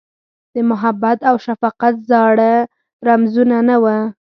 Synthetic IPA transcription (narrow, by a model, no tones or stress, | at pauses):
d̪̥əmʊɦabat̪awʃafɑqat̪zɑɽə | ɾamzunanawə